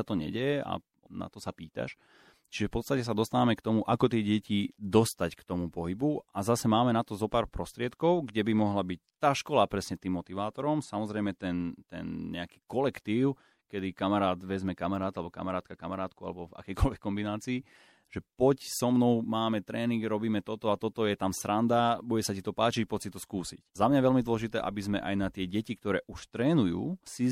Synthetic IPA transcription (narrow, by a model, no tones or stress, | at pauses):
at̪ɔɲɛ̰ɟɛjɛʔa̰ | na̰t̪ɔsapiːt̪a̰ʃ | t͡ʃiʒɛfpɔtt͡st̪acɛs̬ad̪ɔst̪aːʋamɛkt̪ɔmuʔakɔt̪ɪɛːɟɛcid̪ɔst̪ackt̪ɔmupɔɦibuazasɛmaːmɛnat̪ɔzɔpaːɾpɾɔst̪ɾɪɛt̪kɔʊɡɟɛbimɔɦlabic̚t̪aːʃkɔlapɾɛsɲɛt̪iːmːɔt̪iʋaːt̪ɔɾɔmsamɔzɾɛjmɛt̪ɛnt̪ɛ̰nɲɛ̰aki̥kɔlɛkt̪iːʊ | kɛd̪ikamaɾaːd̪ʋɛzmɛkamaɾaːt̪alɛbɔka̰maɾaːt̪̚kaka̰maɾaːt̪̚kua̰lɛbɔva̰kɛjkɔlʋɛkːɔmbinaːt͡siː | ʒ̥ɛpɔcsɔmnɔʊmaːmɛt̪ɾɛːniŋɡɾɔbiːmɛt̪ɔt̪ɔat̪ɔt̪ɔjɛt̪amsɾand̪abuɟɛsacit̪ɔpaːt͡ʃicpɔtsit̪ɔskuːsiczamɲajɛʋɛlmid̪wɔlɛʒit̪ɛ̰ːʔa̰bizmɛ̰ʔa̰jnat̪ɪɛɟɛcikt̪ɔɾɛ̰ːʔuʃt̪ɾɛːnujṵːsi